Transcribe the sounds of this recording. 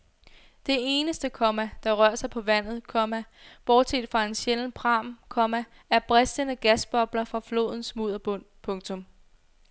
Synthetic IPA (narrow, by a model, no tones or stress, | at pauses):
d̥e̝e̝ːnəsd̥əkʰɒ̽mæd̥ɑ̈ʁɶɐ̰sɑ̈ɪpʰɒ̽ʋæn̰ð̞̩ˠkʰɒ̽mæ | b̥ɒːd̥sʰḛd̥fʁɑ̈e̝nɕeln̩pʰʁɑ̈ːmkʰɒ̽mæ | æɐb̥ʁɛsd̥ənəɡ̥æsb̥ɒ̽b̥lɐfʁɑ̈flo̝̰ːð̞̰ˠn̩smuð̞̰ˠɐb̥ɔ̽n̰pʰɔ̽ŋt͡sʰɔ̽m